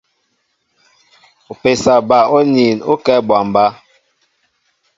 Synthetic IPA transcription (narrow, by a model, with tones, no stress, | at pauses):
o˨pe˨sa˨ba˨o˦ni˨no˦kɛ˦bwa˨m˨ba˦